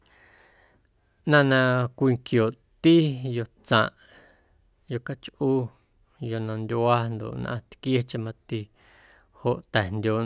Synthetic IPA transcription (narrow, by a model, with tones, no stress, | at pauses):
nã˦˧nã˧kʷi˧ŋkjo˨ʔ | t̪i˦jo˧t͡sã̰˧˨ʔ | jo˧ka˦t͡ʃʔu˦ | jo˧nã˧nd̪ʲa˦nd̪o̰˨ʔnʔã̰˧t̪kje˦t͡ʃẽ˧mã˧t̪i˧ | ho˨ʔt̪ɛ˨nd̪ʲoː˧˨